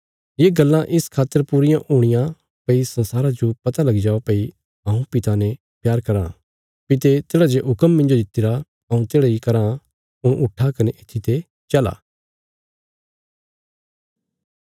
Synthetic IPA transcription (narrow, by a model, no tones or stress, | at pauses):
jeːɡɐlːãʔɪskʰaːt̪ːəɾpuːɾɪjãʔuɽ̃ɪjã | pɐisɐ̃nsaːɾad͡ʒopɐt̪alɐɡid͡ʒaːʋapɐi | ɐ̃ũpɪt̪anɛ | pjaːɾkɐɾã̰ | pɪt̪et̪eːɽad͡ʒeʔɦʊkəmːɪ̃nd͡ʒod̪ɪt̪ːɪɾa | ɐũt̪eːɽaikɐɾã | ʊɽ̃ʔʊʈʰːakɐneʔɪt̪ʰːit̪ʰe | t͡ʃɐla̰ː